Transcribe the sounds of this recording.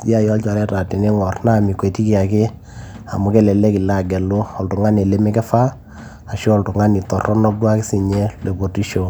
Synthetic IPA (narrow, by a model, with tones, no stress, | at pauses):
ja˦jɔ˦lt͡ʃɔ˨ɾɛ˦ta˨ti˨ne˦ŋɔ˨rna˦˨mi˨kwe˨ti˦ki˦a˨kɪ˦ | a̰˨mʊ˨˦kɛ˦˨lɛ˨lɛ˦ki˨la˦˨ɡɛ˨lo˦ɔ˨ltʊ˨ŋa˦ne˨le˦mɛ˦kɛ˦fa˦ | a˨ʃɔː˦˨ltʊ˨ŋa˦ni˨tɔ˨rɔ˦nɔ˦b̚dwa˦kɪ˦si˨ɲɛ˦le˨bo˨ti˦ʃo˨